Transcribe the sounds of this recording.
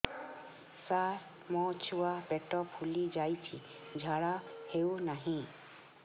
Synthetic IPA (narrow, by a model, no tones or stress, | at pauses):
saɾ | mɔt͡ʃʰuabɛʈɔpʰulid͡ʒajt̪ʰĩ | d͡ʒʱaɽahewnaɦĩ